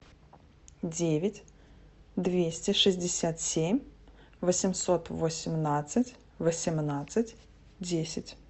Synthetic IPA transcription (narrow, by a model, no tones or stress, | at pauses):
dʲevʲɪtʲ | d̪vʲesʲtʲɪʂɨzʲdʲɪsʲat̪sʲemʲ | vəsʲɪmsot̪vosʲɪmnat̪sɨtʲ | vəsʲɪmnat̪sɨtʲ | dʲesʲɪtʲ